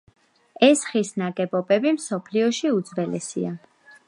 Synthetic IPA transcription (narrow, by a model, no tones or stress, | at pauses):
ɛsχisnaɡɛbɔbɛbimsɔpʰliɔʃiud̪zvɛlɛsḭa